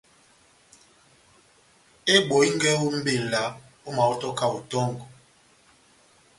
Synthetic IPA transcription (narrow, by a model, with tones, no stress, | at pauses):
e˦ɓo˨˦i˦ŋ˦ɡɛ˦u˦m̩˦be˦˨n̩˨la˨˦ | o˦ma˨ɔ˦tɔ˦ka˦˨u˨tɔ˦ŋɡ